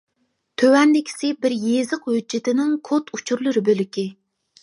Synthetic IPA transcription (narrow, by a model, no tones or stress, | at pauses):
t̪ʰøwɛnd̪ɪkʲʰi̥sɪbɪɾjezɨqhød͡ʒːɪt̪ɪnɪŋkʰot̪ʰut͡ʃʰuɾlˠɨɾɨbølɪkʲʰi